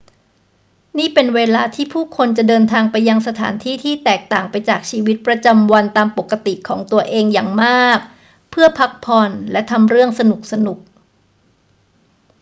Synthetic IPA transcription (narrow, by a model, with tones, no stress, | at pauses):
niː˥˩pe˧nweː˧laː˧t̪ʰiː˥˩pʰuː˥˩kʰo˧nt͡ɕa˨˩dɤː˧nt̪ʰaː˧ŋpa˧jːa˧ŋsa˧t̪ʰa̰ː˩˦nt̪ʰiː˥˩t̪ʰiː˥˩t̪ɛː˨˩k̚t̪aː˨˩ŋpa˧jt͡ɕaː˨˩k̚t͡ɕʰiː˧wi˦˥t̪̚pɾa˧t͡ɕa˧mwa˧nt̪aː˧mpo˨˩kːa˧t̪i˨˩kʰɔː˩˦ŋt̪u˧ɐʔeː˧ŋja̰ː˨˩ŋmaː˥˩k̚ | pʰɯ˥˩ɐəpʰa˦˥k̚pʰɔ˧nlɛ˦˥ʔt̪ʰa˧mɾɯ˥˩əŋsa˧nu˨˩k̚sa˧nu˨˩k̚